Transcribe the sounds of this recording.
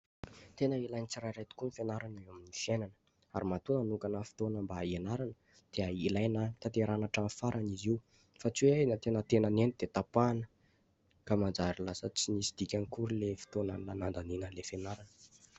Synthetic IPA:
t̪enəilajnit͡siɾaɾejt̪u̥kunifenaɾanaeaminifienanə̥ | aɾimat̪unanukanəfi̥t̪onəmbaenaɾanə | d̪̥eəilajnət̪at̪eɾanaʈ͡ʂamfaɾʔaniziw | fat͡siweanət̪enət̪enənenid̪̥et̪apanə | kamand͡zaɾilasət͡sinisi̥d̪̥ikʲanikuɾilefi̥t̪onəlanand̪aninənlefenaɾanə

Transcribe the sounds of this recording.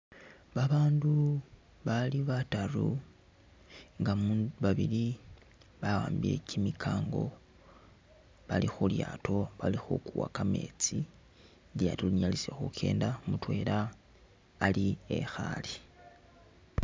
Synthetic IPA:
βaβaːndu | βaliβatarṵ | ŋɡamβaβili | βawaːmbiḛcʰimikʰaːŋɡo̞ | βalixuljaːto̞βalixṵkuwakame̞̰t͡si | ljatoliɲalisexukʰe̞̰ːndamutwe̞ːlaː | liḛxa̰li

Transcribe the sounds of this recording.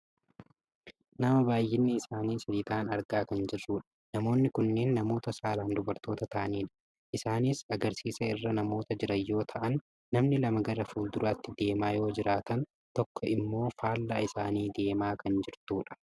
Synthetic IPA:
nɐmɐbaːjːɪnːɪɪsaːniːsɐlɪt̪aːnɐɾɡaːkɐnd͡ʒɪrːuːᶑɐ̥ | nɐmo̞ːnːɪkʊnːe̞ːnːɐmo̞ːt̪ɐsaːlaːnd̪ʊbɐɾt̪o̞ːt̪ɐt̪aːniːᶑɐ̥ | ʔɪsaːniːsɐɡɐɾsiːsɐɪrːɐnɐmo̞ːt̪ɐd͡ʒɪɾɐjːo̞ːt̪ʰɐʔɐnː | ɐmnɪlɐmɐɡɐɾɐfuːld̪ʊɾɐːt̪ːɪd̪e̞ːmaːjo̞ːd͡ʒɪɾaːt̪ɐn | t̪ɔkʰːɔɪmːo̞ːfaːlːaːɪsaːniːd̪e̞ːmaːkɐnd͡ʒɪɾt̪uːᶑɐ̥

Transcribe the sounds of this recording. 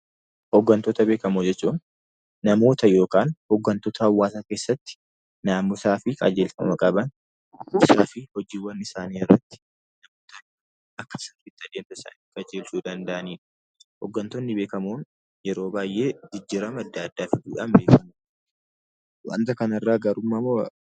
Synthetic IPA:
hɔɡːɐnt̪ɔt̪ɐbe̞ːkɐmoːd͡ʒɛt͡ʃːuːn | nɐmo̞ːt̪ɐjo̞ːkaːnhɔɡːɐnt̪ɔt̪ɐhɐwːaːsaːke̞ːsːɐt̪ːɪ̥ | naːmːʊsaːfɪkʼɐ̰d͡ʒeːlfɐmɐkʼɐbɐn | ɪsaːfɪhɔd͡ʒiːwːɐnɪsaːniːɪrːɐt̪ːɪ̥ | nɐmoːt̪ɐ | ɐkːɐ̥sɐɾfɪt̪ːɪɐd̪eːnt̪ɐɪsa̰ːniːkʼɐd͡ʒeːlsuːd̪ɐnd̪ɐʔɐniːᶑɐ̥ | hɔ̰ɡːɐnt̪ɔnːɪbe̞ːkɐmuːn | jɛɾo̞ːbaːjʔe̞ːd͡ʒɪd͡ʒːɪɾɐmɐd̪ːaːɐd̪ːaːfɪduːᶑambeːkɐmu | wa̰nt̪ɐkɐnɐrːaːɡɐɾʊmːɐmːo

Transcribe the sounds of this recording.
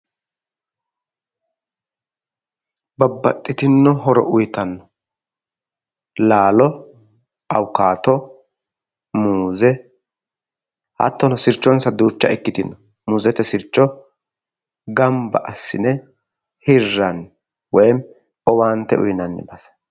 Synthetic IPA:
bɐbːɐt̪ʼːɪt̪ɪnːɔɦɔɾɔ̰ʔʊjt̪ɐnːɔ | laːlɔ | ʔɐwkaːt̪ɔ | muːzɛ | hɐ̰t̪ːɔnɔsɪɾt͡ʃːɔnsɐd̪uːt͡ʃːɐɛkːɪt̪ɪnːɔ | muːzɛt̪ːɛsɪɾt͡ʃːɔ | ɡɐmbɐ̰ʔɐsːɪnɛ | hɪrːɐn | wɔjm | ɔwaːnt̪ːɛʊ̰jnɐnːɪ̰bɐs

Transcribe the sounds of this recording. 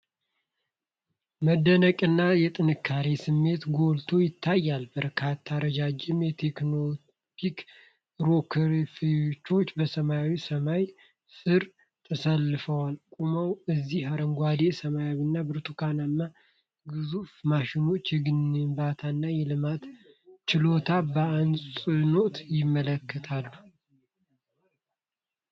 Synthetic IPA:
məd̪ːənəkʼɨnːajɛt̪ʼɨnɨkʰːaɾesɨmːe̞t̪ɡo̞lt̪ʰo̞jɪt̪ʰːajːalbəɾkʰat̪ʰːaɾəd͡ʒad͡ʒɪmjɛt̪ʰe̞kno | tʰik | ɾo̞kʰɾfit͡ʃːo̞t͡ʃːbəsəmajawisəmaj | sɨɾ | t̪ʰəsalːɨfəwalkʼuməwɨzːiaɾəŋɡʷwad̪esəmajaβinːabɨɾt̪ʰukʰananːa | ɡɨzufmaʃɪno̞t͡ʃːɛɡɨnɨmbat̪ʰanːajɛlɨmat̪ | t͡ʃɪlo̞t̪ʰabəansʼɨno̞t̪jɪmːələkʰːət̪ʰalːu

